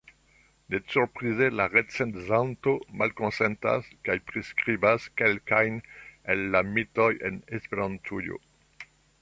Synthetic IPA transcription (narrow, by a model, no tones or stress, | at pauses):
nesuɾpʁizelaʁet͡sent̪zant̪omalkonsent̪a̰skajpʁeskʁibaskelkajnenːamitojenespeɾant̪ʰujo̰